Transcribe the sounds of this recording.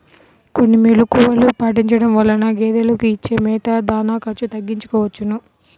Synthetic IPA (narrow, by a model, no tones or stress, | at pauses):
konːimelukuʋɐlupaːʈiɲt͡ʃɐɽɐmʋɐlːɐnɐɡeːd̪ɐlɐkuit͡ʃːeːmɛːt̪ɐd̪aːnaːkɐɾt͡ʃut̪ɐɡːiɲt͡ʃu̥kɔːʋɐt͡ʃːunu